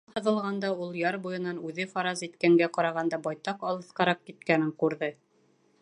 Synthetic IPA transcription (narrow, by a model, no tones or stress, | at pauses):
hɤ̆ðɤ̆lˠʁɑnd̪ɑulˠjɑɾbujɤ̆nɑnʉðɘfɑɾɑzit̪kæŋɡæqɑɾɑʁɑnd̪ɑbɑjt̪ɑqɑlˠɤ̆θqɑɾɑq̚kit̪kænɘŋqʉɾðɤ